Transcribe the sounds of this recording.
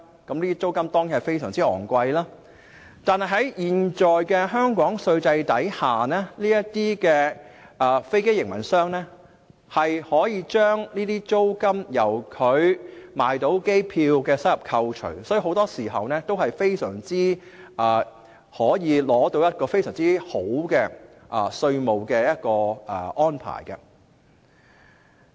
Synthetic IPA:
kɐ˨˥mliː˥t̪iː˥t͡so˥wkɐ˥mt̪ɔː˥ŋji˨˥nhɐ˨˩fe˥jsœː˨˩ŋt͡siː˥ɔ̰ː˨˩ŋkʷɐ˧jlaː˥ | t̪aː˨nhɐ˨jɦɐ˨˥jjiː˨nt͡ʃɔː˨jkɛː˧ɦœː˥ŋkɔː˨˥ŋsɵ˧ɥt͡sɐ˧jt̪ɐ˨˥jhaː˨˩nɛː˥liː˥jɐ˥tt̪iː˥kɛː˧ʔɐː˧fe˥jke˥jɪ˨˩ŋmɐ̰˨˩nsœː˥ŋnɛː˥ | hɐ˨jhɔː˨˥jiː˨˧t͡ʃœː˥ŋniː˥t̪iː˥t͡so˥wkɐ˥mjɐ˨˩wkʰɵ˨˧ɥmaː˨jt̪o˨˥wke˥jpʰiː˧wkɛː˧sɐ˥t̚jɐ˨p̚kʰɐ˧wt͡ʃʰɵ̰˨˩ɥsɔː˨˥ji˧ho˨˥wt̪ɔː˥siː˨˩ɦɐ˨wnɛː˥t̪o˥whɐ˨jfe˥jsœ̰ː˨˩ŋt͡siː˥ | ʔɐː˨ | hɔː˨˥jiː˨˧lɔː˨˥t̪o˧wjɐ˥t̚kɔː˧fe˥jsœː˨˩ŋt͡siː˥ho˨˥wkɛː˧ | ʔɐː˨sɵ˧ɥmo˨wkɛː˧jɐ˥t̚kɔː˧ʔʔɔː˥npʰa̰ː˨˩jkɐ̰˧

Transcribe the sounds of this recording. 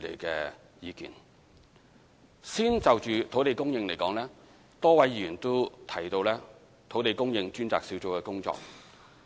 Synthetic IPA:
lḛ˨˩jkɛː˧ | jiː˨˧kḭː˨n | siː˥nt͡sɐ˨wt͡ʃyː˨t̪ʰo˨˥wt̪e˨˧jkʊ˥ŋjɪ˧ŋle˨˩jkɔː˨˥ŋlɛː˥ | t̪ɔː˥wɐ˨˥jy˨˩nt̪o˥t̪ʰɐ˨˩jt̪o˧wlɛː˥ | t̪ʰo˨˧˥wt̪e˨˧jkʊ˥ŋjɪ˧ŋt͡ʃyː˥nt͡saː˨k̚si˨˥wt͡so˨˥wkɛː˧kʊ˥ŋt͡sɔ̰ː˧k̚

